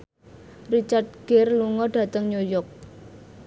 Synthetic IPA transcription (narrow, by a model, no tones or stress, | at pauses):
rit͡ʃart̪̚ɡ̥erluŋɔɖ̥ä̤t̪əŋɲojɔk̚